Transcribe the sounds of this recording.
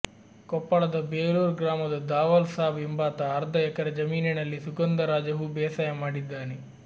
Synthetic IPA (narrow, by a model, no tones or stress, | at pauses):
kɔpːɐɭɐd̪ɐbeːluːɾɡɾaːmɐd̪ɐd̪aːʋɐlsaːʋimbaːt̪ɐːɾd̪ʱɐjɛkɐɾɐd͡ʒɐmiːninɐlːisuɡɐnd̪ɐɾaːd͡ʒɐɦubɛːsaːjɐmaːɽid̪ːaːne